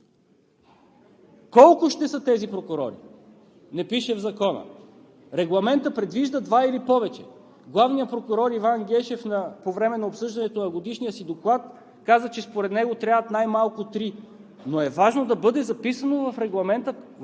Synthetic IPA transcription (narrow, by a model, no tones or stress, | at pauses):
kɔlˠkʊʃt̪ɛsɤt̪ɛzipɾokʊɾɔɾḭ | nɛpiʃɛvzɐkɔnə̰ | ɾɛɡlˠɐmɛnt̪əpɾɛd̪viʒd̪əd̪vailipɔvɛt͡ʃɛ̰ | ɡlˠavnijəpɾokʊɾɔɾivanɡʲɛʃɛfnɐpovɾɛmɛnɐopsɤʒd̪ɐnɛt̪onɐɡod̪iʃnijəsid̪oklˠat̪ | kazət͡ʃɛspoɾɛt̪nɛɡot̪ɾʲavət̪najmalˠkʊt̪ɾi | noɛvaʒnod̪ɐbɤd̪ɛzɐpisənovɐfɾɛɡlˠɐmɛnt̪ə